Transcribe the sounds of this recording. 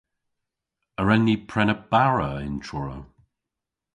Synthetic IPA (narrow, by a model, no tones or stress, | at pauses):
əɹɛnːipʰɹɛnəb̥aɹəɪ̰ntʰɹɔɹə̰